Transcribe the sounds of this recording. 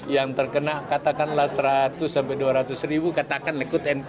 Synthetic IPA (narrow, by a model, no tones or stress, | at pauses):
jaŋt̪ərkənakat̪akanlahsəɾat̪ʊsːampɛjduaɾat̪ʊsribukat̪akanlikʊt̪ɛn